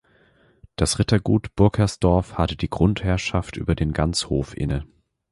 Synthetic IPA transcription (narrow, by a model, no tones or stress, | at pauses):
d̥asʁɪtɐɡuːtb̥ʊɐkʰɐsd̥ɔɐfhatəd̥iːɡʁʊnthɛɐʃaftʔy̰ːbɐdeːnɡant͡shoːfʔɪ̰nə